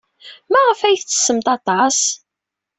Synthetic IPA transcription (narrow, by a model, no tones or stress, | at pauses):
mæʁəfæjθt͡sːə̥sːəmt̪ɑt̪ˤɑs